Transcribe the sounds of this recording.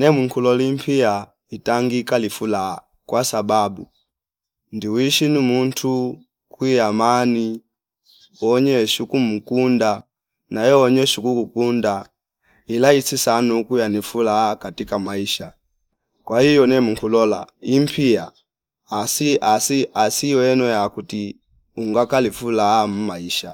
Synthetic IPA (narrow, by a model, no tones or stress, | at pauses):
nɛmuŋkʰulɔlimpʰia | itaŋɡikalifula | kwasababu | ndiwiʃinimuntʰu | kwijamani | ɔɲɛʃukumukunda | najɔɔɲɛʃukukukunda | ilaisisanukujanifulakatikamaiʃa | kwahijɔnɛmuŋkulɔla̰im̩pʰiaː | siʔasiasiɔɛnɔjakuti | uŋɡakalifulaːm̩maiʃa